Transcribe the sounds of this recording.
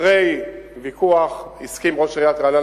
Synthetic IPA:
ʁejvikuaχiskimʁoʃʁiat̪ʁana

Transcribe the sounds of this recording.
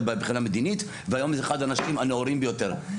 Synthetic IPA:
bebχinamed̪init̪ | veajo̞mzeeχad̪anaʃimaneoɾimbejo̞t̪eʁ

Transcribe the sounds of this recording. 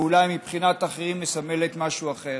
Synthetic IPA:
ulajmipχinat̪aχeʁimːesame̞le̞t̪maʃuaχe̞

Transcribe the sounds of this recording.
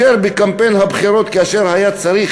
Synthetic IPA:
eɾbekampejnhabχiɾo̞t̪kaaʃeɾhajat͡saɾiχ

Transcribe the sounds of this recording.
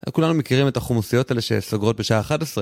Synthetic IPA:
kulanumekiʁime̞taχomusijo̞taeleʃesoɡʁo̞t̚be̞ʃaaːχatesʁe

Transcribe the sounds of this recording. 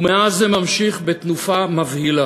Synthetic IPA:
umeazːemamʃiχbet̪nufamavhila

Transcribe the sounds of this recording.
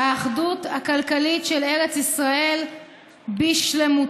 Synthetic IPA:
aːχduthakalkalitʃele̞ʁet͡sisʁae̞l | biʃlemu

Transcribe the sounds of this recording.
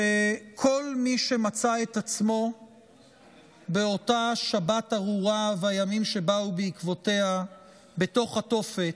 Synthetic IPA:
ekʰo̞lmiʃe̞mat͡sae̞tat͡smo̞ | be̞o̞taʃabataʁuʁavajamimʃe̞baubeikvo̞te̞ha | be̞to̞χhato̞fet

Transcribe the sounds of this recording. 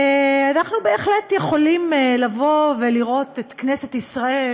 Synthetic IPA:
anaχnube̞ːχletje̞χo̞limlavo̞veliʁo̞tetknese̞tisʁae

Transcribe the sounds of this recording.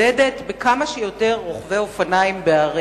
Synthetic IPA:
edetbekamaʃejo̞te̞ʁːoχveo̞fanaimbeaʁi

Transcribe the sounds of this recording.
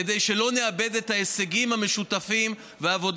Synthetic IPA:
ed̪ejʃe̞lo̞neabe̞d̪et̪haeseɡimhame̞ʃut̪afim | veaːvo̞d

